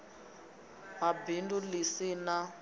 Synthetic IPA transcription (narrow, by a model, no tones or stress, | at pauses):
mabindulisina